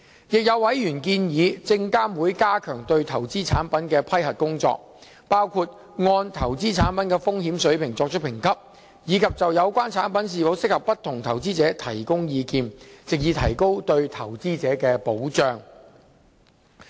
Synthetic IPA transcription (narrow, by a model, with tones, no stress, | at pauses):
jɪ˨k̚jɐ˨˧wwɐ˨˥jɥyː˨˩nkiː˧njiː˨˧t͡sɪ˧ŋkaː˥mwuː˨˥jkaː˥kʰœː˨˩ŋt̪ɵ˧ɥt̪ʰɐ˨˩wt͡siː˥t͡sʰaː˨˥npɐ˨˥nkɛː˧pʰɐ˥jhɐ˨t̚kʊ˥ŋt͡sɔ̰ː˧k̚ | paː˥wkʰu˧t̚ | ŋɔː˧nt̪ʰɐ˨˩wt͡siː˥t͡sʰaː˨˥npɐ˨˦nkɛː˧fʊ˥ŋɦiː˨˥msɵ˨˥ɥpʰɪ˨˩ŋt͡sɔː˧k̚t͡ʃ̚ʰpʰɪ˨˩ŋkʰɐ˥p̚ | jiː˨˧kʰɐ˨p̚t͡sɐ˨wjɐ˨˧wkʷaː˥nt͡sʰaː˨˥npɐ˨˥ns̬iː˨˩fo˨˥wsɪ˥k̚hɐ˨˩pːɐ˥t̪ʰːʊ˨˩ŋt̪ʰɐ˨˩wt͡siː˥t͡sɛː˨˥t̪ʰɐ˨˩jkʊ˥ŋjiː˨˧kiː˧nt͡sɪ˨k̚jiː˨˧t̪ʰɐ̰˨˩jko˥wt̪ɵ˧ɥt̪ʰɐ˨˩wt͡siː˥t͡sɛː˨˥kɛː˧po˨˥wt͡ʃœː˥ŋ